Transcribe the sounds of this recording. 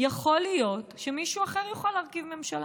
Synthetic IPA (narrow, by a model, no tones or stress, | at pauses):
jaχo̞lijo̞tʃemiʃuaχeʁjaχalaːʁkivme̞mʃala